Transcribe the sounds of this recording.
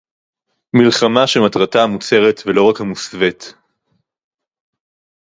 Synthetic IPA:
milχamaʃematʁataːmut͡se̞ʁetvelo̞ʁakhamusvet̪

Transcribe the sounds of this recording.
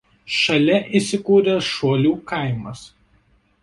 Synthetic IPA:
ʃɐlʲɛʔiˑsʲɪkuːɾʲɛʃoːlʲuːkɐˑɪmɐs

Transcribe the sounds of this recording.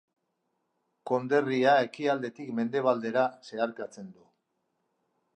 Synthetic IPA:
ko̞nd̪e̞riae̞kiald̪e̞t̪ikme̞nd̪e̞β̞ald̪e̞ɾase̞aɾkat͡se̞nd̪u

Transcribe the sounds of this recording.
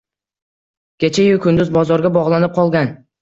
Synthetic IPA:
kʲet͡ʃʰajɪlˠkʰʲʊnd̪ʊzbɒzɒɾɡʲabɒʁlˠanɪp̚qʰɒlˠɡʲan

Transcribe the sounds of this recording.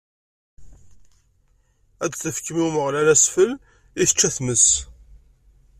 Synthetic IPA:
æd̪θəfkmiwməʁlælæsfəl | iθə̥t͡ʃːæθməs

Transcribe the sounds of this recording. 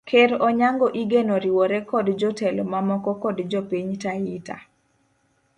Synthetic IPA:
kʰeɾɔɲaŋɡɔʔiɡenoɾiwɔɾɛkɔdd͡ʒɔtɛlɔmamɔkɔkɔdd͡ʒɔpiɲtaita̰

